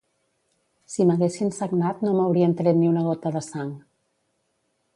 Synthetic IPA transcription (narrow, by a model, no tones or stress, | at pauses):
siməɣesinsəɡnat̪nomawɾiənt̪ɾet̪niunəɣ̞ot̪əðəsaŋ